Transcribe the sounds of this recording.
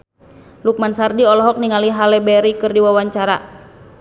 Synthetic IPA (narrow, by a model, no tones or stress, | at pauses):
luk̚mansardiɔlɔɦɔk̚niŋaliɦalɛbɛɾikɨrdiwawaɲt͡ʃaɾa̰